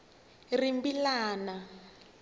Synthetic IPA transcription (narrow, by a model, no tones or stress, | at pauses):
rimbilaːna